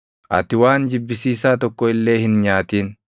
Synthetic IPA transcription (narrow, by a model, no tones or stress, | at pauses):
ʔɐ̰t̪ɪwaːnd͡ʒɪbːɪsiːsaːt̪ɔkːɔɪlːe̞ːhɪnɲaːt̪iːn